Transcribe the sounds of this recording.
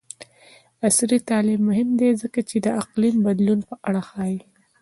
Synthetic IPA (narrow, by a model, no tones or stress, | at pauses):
asɾit̪ɑlɪmːʊɦɪmd̪ezəkat͡ʃed̪əaqlimbad̪lunpəʔaɽaxɑji